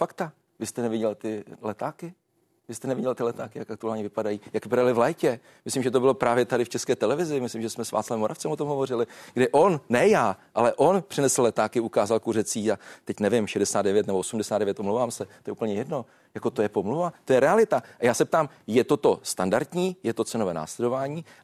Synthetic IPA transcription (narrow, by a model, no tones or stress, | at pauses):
fakt̪a | vɪst̪ɛnɛvɪɟɛlt̪ɪlɛt̪aːkɪ | vɪst̪ɛnɛvɪɟɛlt̪ɪlɛt̪aːkɪjakʔak̚t̪uaːlɲɛvɪpadajiːjakvɪpadalɪvlɛːcɛ | mɪslimʒɛt̪o̞bɪlo̞pɾʔaːvjɛt̪adɪft͡ʃɛskɛːt̪ɛlɛvɪzɪmɪslimʒɛsmɛsva̰ːtt͡slavɛmoɾʔaft͡sɛmot̪o̞mɦovo̞rɪlɪɡdɪʔo̞nːɛjaːʔalɛʔo̞npr̥ɪnɛsl̩lɛt̪aːkɪukaːzalkurɛt͡siːat̪ɛcnɛvɪmʃɛdɛsaːd̪ɛvjɛt̪nɛboosumdɛsaːdɛvjɛt̪omlowvaːmsɛt̪ojɛupl̩ɲɛjɛdno̞ | jako̞t̪ojɛpomluvat̪o̞jɛɾɛalɪt̪aʔajaːsɛp̚t̪aːm | jɛt̪o̞t̪o̞st̪andaɾt̪ɲiːjɛt̪o̞t͡sɛnovɛːna̰ːslɛdo̞vaːɲiː